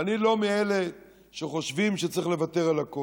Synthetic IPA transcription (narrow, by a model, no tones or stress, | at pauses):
anilo̞miele̞ | ʃeχo̞ʃvimʃet͡sʁiχlevat̪e̞ʁalako